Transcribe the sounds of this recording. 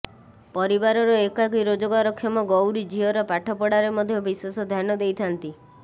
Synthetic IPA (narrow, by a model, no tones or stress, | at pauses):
pɔɾibaɾɔɾɔekakiɾod͡ʒɔɡaɾɔkʰːjɔmɔɡɔwɾid͡ʒʱiɦɔɾɔpaʈʰɔpɔɽaɾemɔd̪ʱjɔbiswesɔd̪ʱjanɔd̪ejt̪ʰant̪i